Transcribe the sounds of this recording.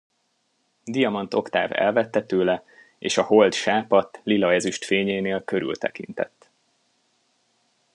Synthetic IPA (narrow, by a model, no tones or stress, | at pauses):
d̪ijɒmɒnt̪o̞kt̪a̰ːvɛ̰lvɛt̪ːɛt̪øːlɛ | ḛːʃɒho̞ld̪ʃaːpɒt̪lilɒɛzyʃt̪feːɲeːneːlkø̞ɾy̰lt̪ɛkḭnt̪ɛ̰t̪ː